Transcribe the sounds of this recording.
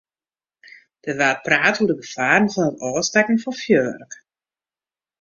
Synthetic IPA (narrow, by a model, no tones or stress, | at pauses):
d̥ərʋɛːlpraːtuədəɡəfaːrnfɔnətɔːstɛkən̩fɔnfjøːrək